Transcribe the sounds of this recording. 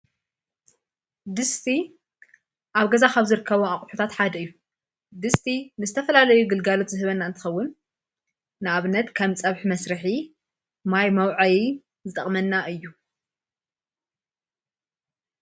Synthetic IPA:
d̪ɨst̪ʰi | ʔaβɡɐzakaβzɨɾɨkʰːɐβoaχʼħut̪ʰat̪ħad̪ɐɨjːu | d̪ɨst̪ʰinɨzɨt̪ʰɐfɐlalɐjuɡɨlɡalo̞t̪zɨhɨβɐnːaɨnt̪ʰɨ̥xɐwːʊn | nɨaβnɐt̪kʰamt͡sʼɐβħmɐsɾɨħi | majmɐwʕaji | zɨt̪ʼɐχʼmɐnːaʔɨjːu

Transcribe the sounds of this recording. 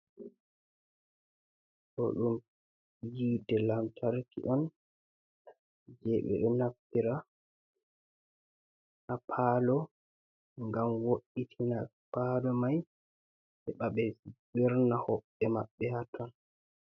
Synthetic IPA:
kɔ̰ɗum | jidɛlamtʰaɾkḭʔɔn | d͡ʒɛɓɛ̰ɗumnafiɾa | ʔapʰalɔ | ŋɡamwoʔːitʰina | palɔmaj | ɓɛɓaɓɛbiɾnahɔɓːɛmaɓːɛhatʰɔn

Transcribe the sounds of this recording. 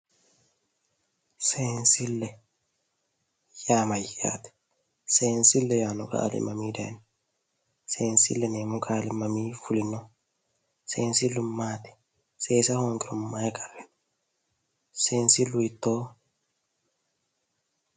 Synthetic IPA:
seːnsɪlːɛ | jaːmɐja̰ːt̪ɪ̥ | seːnsɪlːɛjaːnʊka̰ːlɪ̰mːɐmiːd̪ḛːn | seːnsɪ̰lːɛneːmʊkʼaːlɪmːɐmiːfʊlɪnːɔ | seːnsɪlːʊmːaːt̪ɪ̥ | seːsɐhoŋɡɪɾʊmːaːɛkʰʼɐ̥rːɛt̪ | seːnsɪlːʊɪt̪ːoː

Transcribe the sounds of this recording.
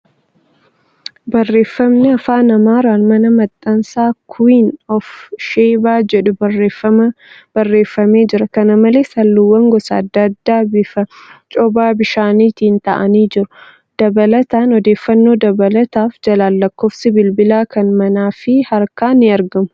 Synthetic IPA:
bɐrːe̞ːfːɐmnɪɐfaːnɐmaːɾaːnmɐnɐmɐt̪ʼːɐnsaːkʰʊiːnɔfʃeːbaːd͡ʒɛᶑʊbɐrːeːfɐmɐ | b̥ɐrːe̞ːfːɐmeːd͡ʒɪɾɐkɐnɐmɐleːsɐlːʊwːɐŋɡɔsɐːd̪ːɐd̪ːaːbɪfɐt͡ʃʼɔbaːbɪʃaːniːt̪iːnt̪ɐ̰ʔɐniːd͡ʒɪɾʊ̥ | d̪̥ɐbɐlɐt̪aːnɔd̪e̞ːfːɐnːo̞ːd̪ɐbɐlɐt̪aːfd͡ʒɐlaːlːɐkːoːfsɪbɪlbɪlaːkɐnmɐnaːfɪhɐɾkaːnɪɐɾɡɐmʊ̥

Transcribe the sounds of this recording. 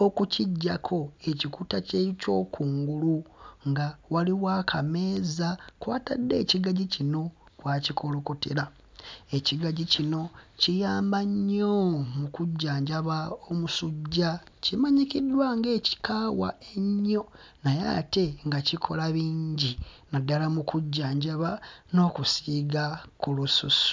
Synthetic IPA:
okuciɟːakʰo̞e̞cikutaceco̞ːkuːŋɡuluŋɡawaliwakʰame̞ːzakwaːtadːe̞ːciɡaɟicino̞ | kwaːcikʰo̞lo̞kote̞̰la | e̞ciɡaɟicino̞cijaːmbaɲomukuɟːaːɲɟaβaomusuɟːacimaɲikidːwaŋɡe̞ːci̥kaːwa̰eɲːo̞ | naja̰ːte̞ŋɡacikʰo̞̰laβiːɲɟinadːalamukuɟːaːɲɟaβano̞ːkusiɡakulususu̥

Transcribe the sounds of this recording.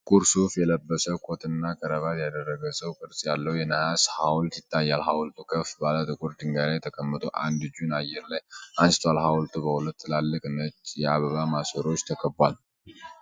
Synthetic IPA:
kʼuɾsufjɛləbːəsəwkʰot̪ʰʼɨnːakʰəɾəβat̪jad̪ərːəɡəsəwkʼɨɾsʼjalːəwjɛnəhashawlt̪jɪt̪ʰːajːalɦawlt̪ʰukʰəfbalat̪ʼɨkʼuɾd̪ɨŋɡaɾajɛt̪ʰəkʼʰəmːɨt̪ʰʼoʔa̰nd̪ɨd͡ʒunajːɛɾlajʔansɨ̥t̪ʰwalɦawlt̪ʰubəhulət̪ːlalːɨkʼɨnət͡ʃːjɛaβəβamasəɾo̞t͡ʃːt̪ʰəkʰəbwal

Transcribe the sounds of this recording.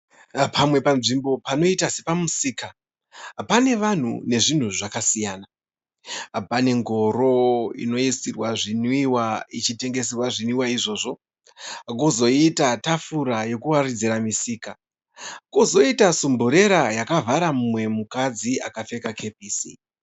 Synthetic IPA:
pamwe̞pamʐimbo̞pano̞itasepamusiːka | ɦapane̞ʋan̤ṵne̞ʐin̤uʐakasijaːna | ɦapane̞ŋɡo̞ɾo̞ḭno̞isirwaʐiniwait͡ʃite̞ŋɡe̞s̬irwaʐinwiwaiʐo̞ːʐo̞ | kuzo̞itatafuɾajo̞kuwarid͡ziɾamisiːka | kozo̞itasumbuɾe̞ɾajakavʱaɾamumwe̞mukad͡zia̰kafe̞kakʰe̞p̚iːsi

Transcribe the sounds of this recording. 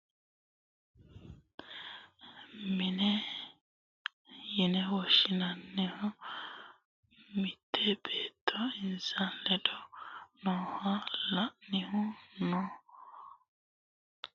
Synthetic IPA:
mɪnɛ | jɪnɛwɔʃɪnɐnːɪhʊ | mɪt̪ʰːɛbeːt̪ʰːɔɪnsanlɛd̪ɔnɔːhɐlɐʔnɪhʊnɔ

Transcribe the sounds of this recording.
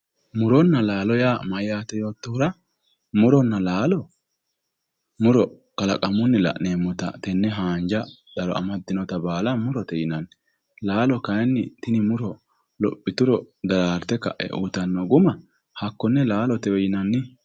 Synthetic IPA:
mʊɾɔnːɐlaːlɔjaːmɐjːaːt̪ɛjo̞ːt̪ːɔhʊɾɐ | mʊɾɔnːɐlaːlɔ | mʊɾɔ | kɐlɐkʼɐmʊnːɪlɐ̰ʔneːmːʊt̪ɐ̰t̪ɛnːɛɦaːnd͡ʒɐ | d̪̥ɐlɔ̰ɐ̰mɐd̪ɪnɔt̪ɐbaːlɐmʊɾɔt̪ɛjɪnɐnː | laːlɔkɐjɛnːɪt̪ɪnɪmʊɾɔ | lɔ̰pʼːɪt̪ʊɾɔd̪ɐɾaːɾt̪ːɛkɐ̰ʔɛ̰ʔṵt̪ɐnːɔɡʊmɐ | hɐkːɔnːɛlaːlɔt̪ɛwɛjɪnɐnːɪ

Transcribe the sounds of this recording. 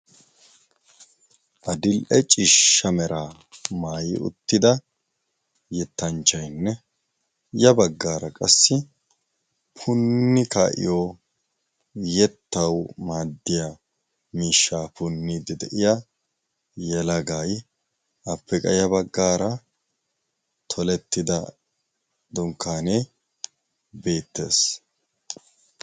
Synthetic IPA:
ʔɐd̪ɪlʔɛt͡ʃʼɪʃːɐmɛɾʔaː | maːjɪ̰ʊ̰t̪ːɪd̪ɐ | jɛt̪ːɐnt͡ʃːɐjnːɛ | jɐbɐɡːaːɾɐkʼɐsːɪ | pʰʊnːɪka̰ːʔɪ̰joː | jɛt̪ːɐwmaːd̪ːɪja | miːʃːaːpʊnːid̪ɪd̪ɛʔɪja | jɛlɐɡaːj | ʔɐpːɛkʼɐ̰jɐbɐɡːaːɾɐ | t̪ʰɔlɛt̪ːɪd̪ɐ | d̪ʊŋkːaːneː | be̞ːt̪ːe̞̰ːs

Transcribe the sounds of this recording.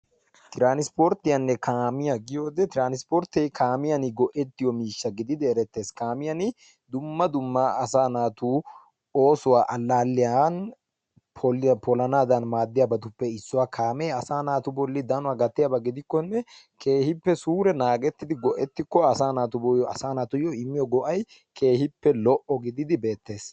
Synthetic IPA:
t̪ɪɾaːnɪspoɾt̪ːɪjɐnːɛkʰaːmɪjɐɡɪjo̞ːd̪ɛt̪ɪɾaːnɪspɔɾt̪ɛjkʰaːmɪjɐnɪɡɔʔɛt̪ːɪjɔmiːʃːɐɡɪd̪ɪd̪ɛːɾɛt̪ːe̞ːskaːmɪjɐnɪ | d̪ʊmːɐd̪ʊmːaɐsaːnaːt̪uː | o̞ːsʊwaːʔɐlːaːlːɪjan | pʰɔpʰɔlɐnaːd̪ɐnmaːd̪ːɪjabɐt̪ʊpːɛɪsːʊwaːkʰaːmɛːɐsaːnaːt̪ʊbɔlːɪd̪ɐnʊwaːɡɐt̪ːɪjabɐɡɪd̪ɪkːɔnːɛ | kʰeːhɪpːɛsuːɾɛnaːɡɛt̪ːɪd̪ɪɡɔʔɛt̪ːɪkːɔɐsaːnaːt̪ʊbɔjɐsaːnaːt̪ʊjɔɪmːɪjɔɡɔʔɐj | kʰe̞ːhɪpːɛlɔʔɔɡɪd̪ɪd̪ɪbe̞ːt̪ːe̞ːs

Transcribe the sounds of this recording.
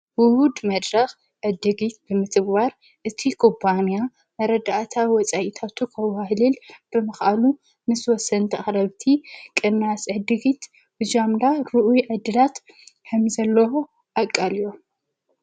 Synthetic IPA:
wʊhud̪mɐd̪ɾɐx | ʕɨd̪ɨɡit̪̚bɨmɨt̪ʼɨbaɾ | ʔɨt̪ʰikʰopʰːanja | mɐɾɐd̪aʔt̪ʰawwɔt͡sʼajit̪ʰat̪ʰukʰɐwahlɨlb̥ɨmɐxʔalu | mɨswɔsːɐnt̪ʰɐxɾɐβt̪ʰikʼɨnasʕɨd̪ɨɡit̪ | bɨd͡ʒamd̪aɾuʔujʕɨd̪ɨlat̪ | kʰɐmzɐlːɐwo | ʔakʼːalijo

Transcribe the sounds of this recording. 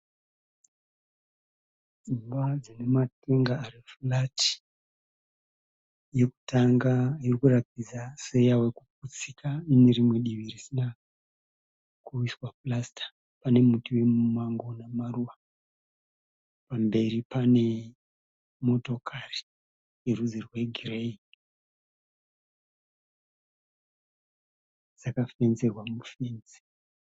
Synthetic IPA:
d͡zimbad͡zinemate̞ŋɡaːrifulati̥ | je̞ku̥taŋɡaiorikurap̚id͡zase̞jawe̞kuput͡sikaineɾimwe̞ɗiʋirisina | kuiswaplastʰḁ | pane̞mutiwe̞mumaŋɡo̞namaruʋa | pambe̞ɾipane̞ | mo̞to̞kʰari̥ | iruzirwe̞ɡʱirei | d͡z̥akafenzerwamufenzi̥

